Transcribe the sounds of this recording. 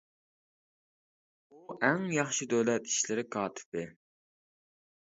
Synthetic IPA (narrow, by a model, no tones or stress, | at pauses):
uʔɛŋjɑχʃid̪ølɛt̪i̥ʃlɪɾɪkʰɑːt̪ʰɪ̥p̚ɪ